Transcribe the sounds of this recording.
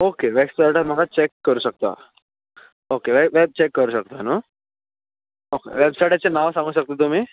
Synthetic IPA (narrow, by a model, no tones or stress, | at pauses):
okeʋebsajʈam̤əɡat͡ɕekːəɾuːɕək̚t̪a̰ | okeʋeʋeb̚t͡ɕekːəɾuɕək̚t̪ano | okḛʋebsajʈat͡ɕenãʋsãŋɡuːɕək̚t̪et̪um̤iː